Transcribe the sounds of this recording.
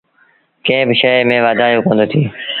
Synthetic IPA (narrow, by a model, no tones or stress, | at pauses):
kẽɦɪ̃bɪʃəmẽːʋaːd̪aːjoːkə̃ːnd̪oːt̪ʰiː